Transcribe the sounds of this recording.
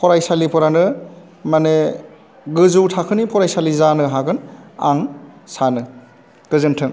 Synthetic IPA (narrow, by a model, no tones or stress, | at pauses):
pʰɔɾajsalipʰɔɾanɯ | mane | ɡɯzuwtʰakʰɯnipʰɔɾajsalizanɯɦaɡɯnaŋsanɯ | ɡ̥ɯzɯntʰɯŋ